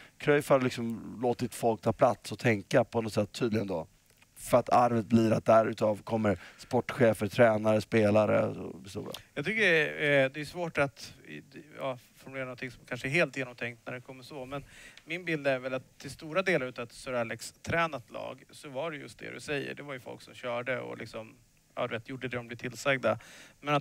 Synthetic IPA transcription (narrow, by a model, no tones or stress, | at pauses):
kʰɾœjfaɾlɪksɔmloːt̪ɪt̪fɔlk̚t̪ʰɑːpʰlat̪sɔt̪ʰɛŋkapʰɔnɔt̪sɛt̪ʰːyːd̪lɪɡənd̪ɔ | fœɾat̪ʰaɾvət̪̚bliɾat̪̚d̪æɾʉ̟ːt̪ɑːvkʰɔmːəɾspɔʈːɧeːfəɾt̪ʰɾɛːnaɾəspeːlaɾə̰ɔ̰bɛst̪ṵːɾa̰jjɑɡt̪ʰʏkːəɛd̪ɛjʉsvoːʈat̪ | jɑ̰ːfɔɾmɵleːɾnɔnt̪ʰɪŋsɔmkʰanʂəæɾɦeːlt̪jeːnɔmt̪ʰɛŋkt̪næɖɛkʰɔmːəʂɔmɛnmɪnbɪld̪əæɾvɛlat̪ʰːɪlst̪uːɾad̪eːlaɾʉ̟ːt̪avt̪sœɾalːɛkst̪ʰːɾɛːnat̪lɑ̰ːɡsɔvaɖɛjɵ̰st̪d̪ɛ̰dɵ̰sɛjːə̰ɖɛvaɾjɵfɔ̰lksɔmɕœːɖəɔ̰lɪ̰ksɔm | ɑ̰ːd̪ɵveːt̪ʰjʊɖːəd̪ɛd̪ɔmblɛɪt̪ʰɪlsɛɡ̚d̪amɛnat̪